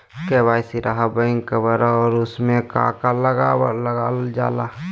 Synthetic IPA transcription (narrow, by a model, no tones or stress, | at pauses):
keːbaːjsiɾaɦabəɪ̃ŋkəbəɾaɔːɾʊsmẽka̰ːkaləɡaləɡaːld͡ʒa̰ːlaː